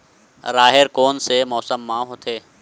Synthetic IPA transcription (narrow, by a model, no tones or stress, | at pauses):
ɾaːɦeɾkoːnsemɔːsəmːãɦoːt̪ʰeː